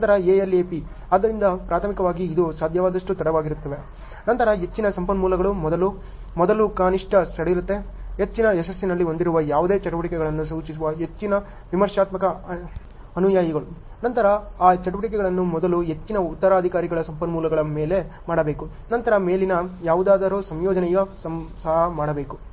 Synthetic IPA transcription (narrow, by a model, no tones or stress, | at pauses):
nɐnt̪ɐɾɐeːelːeːpi | ɐd̪ːɐɾind̪ɐpɾaːt̪ʰɐmikɐʋaːɡiːd̪usaːd̪ʱjɐʋaːd̪ɐʂʈut̪ɐɽɐʋaːɡiɾut̪ːɐʋe̞ | nɐnt̪ɐɾɐɦe̞t͡ʃːinɐsɐmpɐnmuːlɐɡɐɭumɔd̪ɐlu | mɔd̪ɐlukaːniʂʈɐsɐɽeʋiɾut̪ːe̞ɦet͡ʃːinɐesɐsːinɐlːio̞nd̪iɾuʋɐjaːʋud̪e̞ːt͡ʃɐʈuʋɐʈikɛɡɐɭɐnːus̬uːt͡ʃis̬uʋɐɦe̞t͡ʃːinɐ | ʋimɐɾʂaːt̪mɐkɐ | ɐnujaːjɐɡɐɭu | nɐnt̪ɐɾɐaːt͡ʃɐʈuʋɐʈik̬ɛɡɐɭɐnːumɔd̪ɐluɦe̞t͡ʃːinɐut̪ːɐɾaːɐd̪ʱikaːɾiɡɐɭɐsɐmpɐnmuːlɐɡɐɭɐme̞ːle̞maːɽɐbe̞ːku | nɐnt̪ɐɾɐme̞ːlinɐjaːʋud̪aːd̪ɐɾoːsɐmjɔːd͡ʒɐnɛjɐsɐɦɐmaːɽɐbe̞ːku